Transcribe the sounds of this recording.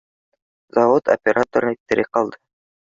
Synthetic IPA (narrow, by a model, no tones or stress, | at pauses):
zɑvot̪o̰pʲeɾʔat̪oɾnek̚t̪ːeɾeqɑlˠd̪ə